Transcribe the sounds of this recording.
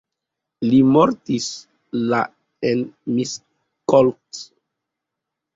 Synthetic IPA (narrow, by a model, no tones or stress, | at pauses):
limoɾtis | la | enmis | kolt